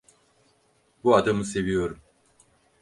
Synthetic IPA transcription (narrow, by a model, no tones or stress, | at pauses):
buad̪amɯse̞vijo̞ɾum